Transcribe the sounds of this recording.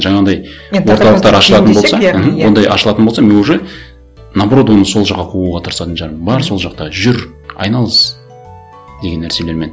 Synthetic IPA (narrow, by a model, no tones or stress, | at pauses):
ʒɑɴɑd̪ɑj | wo̞ɾt̪ɑlˠq̚t̪ɑɾɑʃllˠɑt̪ənbo̞lˠsɑm̩wo̞nd̪ɑjʔɑʃəlˠɑt̪ənbolˠsɑmeuʒɪ | nabro̞d̪wo̞nəso̞lˠʒɑqːɑqʰuʁuʁɑt̪ʰəɾəsɑt̪ənʒɑɾəmbɑɾso̞lˠʒɑq̚t̪ɑʒʏɾ | ɑ̰jnɑlˠəz | d̪e̞ɡʲe̞nːæɾse̞le̞ɾme̞n